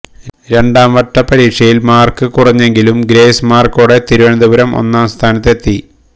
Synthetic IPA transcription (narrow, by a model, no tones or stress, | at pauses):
ɾe̞ɳɖaːmʋɐʈːɐpːɐɾiːʈʂɐjilmaːrkɨkurɐɲːe̞ŋɡilumɡɾe̞ːsmaːrkoːɽe̞t̪iɾuʋɐnɐd̪uʋɐɾɐmʔo̞̰nːaːmst̪ʰaːnɐt̪ːe̞t̪ːi